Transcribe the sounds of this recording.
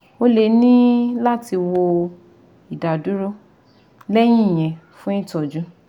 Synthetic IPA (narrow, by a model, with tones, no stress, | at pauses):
o˦le˧˦nĩ˦la˦ti˧wo˧ | i˨da˨du˨˦ɾo˦ | lɛ˦j̃ĩ˦i˨j̃ɛ̃˨fũ˦ĩ˦tɔ˨d͡ʒũ˨˦